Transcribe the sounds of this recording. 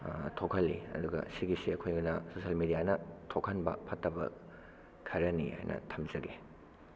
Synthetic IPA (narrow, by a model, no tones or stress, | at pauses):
tʰokʰɐlːiɐ̰d̪uɡɐ̰siɡisiɐkʰojɡunɐsosɐlmidijanɐtʰokʰɐnbɐ̰pʰɐtːɐbɐ̰ | kʰɐɾɐniha̰jnʔɐ̰tʰɐmzɐɡe